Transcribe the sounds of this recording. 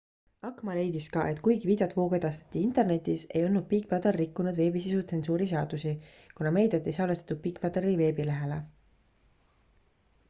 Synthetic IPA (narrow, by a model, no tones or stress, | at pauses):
ɑkːˑmɑle̞jd̪iskɑʔe̞t̪kujɡiviːd̪̥ɑt̪vo̞ːɡ̥e̞d̪ɑst̪e̥t̪ːˑiint̪ˑe̞rne̞t̪ʲːˑise̞jonːud̪̚piːk̚pɑt̪ɑrːikːunud̪ve̞ːbisisut̪se̞nsuːɾiseɑd̪̥usi | kunɑme̞jd̪ɑt̪ːˑejsɑːlest̪ɑ̥t̪ud̥̪̚piːkːˑpɑt̪ɑɾive̞ːbile̞ɦe̞le